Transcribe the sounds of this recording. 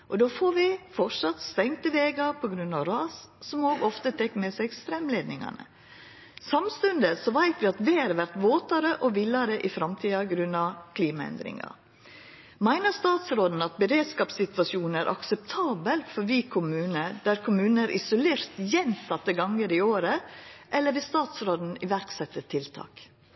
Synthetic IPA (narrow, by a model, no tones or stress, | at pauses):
ʔɔd̪oːfoːɾʋɪfɔʂɑt̪st̪ɛŋt̪əʋeːɡɑpʰɔɡɾʉnːɑʋɾɑːssɔmoːɡɔft̪ət̪ʰɛkːmɛsɛɡst̪ɾɛmleːd̪nɪŋɑ̰nə̰ | sɑmst̪ʉnd̪əsɔʋæɪt̪ʋɪɑt̪ʋeɑɾʋæɾt̪ʋoːt̪ɑɾəʔɔʋɪlɑɾəʔɪfɾɑmt̪ʰiːɑɡɾʉnːɑkʰliːmɑɛ̰nd̪ɾɪ̰ŋɑ̰ | mæɪnəst̪ɑːt̪sɾoːd̪n̩ɑt̪̚bɛɾeːd̪skɑːpsɪt̪ʋɑʃjuːnn̩æɾʔɑ̰ksɛp̚t̪ʰɑːbəlfɔɾʋiːkʰʊmʉːnəd̪̥æɾkʰʊmʉːnəæɾʔɪsʊleːɾt̪jɛnsɑt̪ːəɡɑŋəɾɪoːɾəʔɛlːəɾʋɪst̪ɑːt̪sɾoːd̪n̩ɪʋæɾksɛt̪ːət̪ʰɪlt̪ʰɑ̰ːk